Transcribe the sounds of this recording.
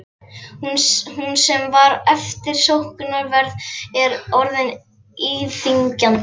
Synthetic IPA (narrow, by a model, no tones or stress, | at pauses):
hunsɛmvaɾɛft̪ɪɾ̥sowhkʏnaɾvɛɾðɛɾɔɾðɪn | iːθiɲcan